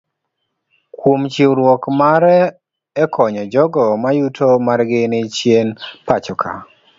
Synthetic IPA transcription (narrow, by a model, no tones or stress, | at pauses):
kwomt͡ʃiwɾwɔkmaɾɛ | ɛkʰɔɲɔd͡ʒɔɡɔmajutʰomarɡɪnɪt͡ʃjenpat͡ʃɔkʰa̰